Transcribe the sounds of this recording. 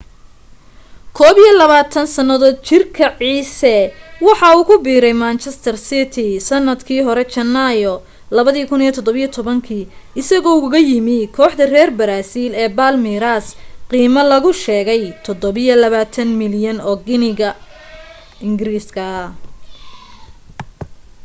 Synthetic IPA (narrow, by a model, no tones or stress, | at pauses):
kʰɔːβijɔlɐβaːt̪ʰɐnsɐnɐðɔːt͡ʃɪrkʰɐʕiːsɛwɑħɑuːkʰʊbiːɾɛjmaːnt͡ʃʰɛst̪ʰɐrsɪt̪ʰɪsɐnːɐd̪kʰiːɦɔɾɛt͡ʃɐnajɔ | lɐβɐðiːkʰʊnijɔt̪ʰɔd̪ɔβɐjɔt̪ʰɔβɐŋkʰiːɪsɐɣɔːɣɐjɪmɪkʰɔːħd̪ɐrɛːrbɐɾaːsiːlɛːbaːlmiɾasqiːmɐlɐɣʊʃɛːɣɛjt̪ʰɔd̪ɔβɪjɔlɐβaːt̪ʰɐnmɪljɐnɔːɡɪnɪɣɐ | ɪŋɡɾiːskʰɐ